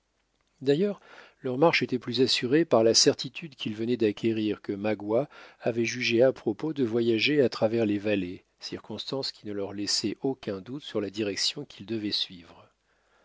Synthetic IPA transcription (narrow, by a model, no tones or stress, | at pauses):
d̪ajœʁ | lœʁmaʁʃet̪ɛplyzasyʁepaʁlasɛʁt̪it̪ʰyd̪kʲilvənɛd̪akʲʰeʁiʁkəmaɡwaːvɛʒyʒeapχɔpod̪əvwajaʒeat̪χavɛʁlevale | siʁkɔ̃st̪ɑ̃skʲinəlœʁlɛsɛʔokʲɛ̃d̪ut̪syʁlad̪iʁɛksjɔ̃kʲʰild̪əvɛsɥivʁ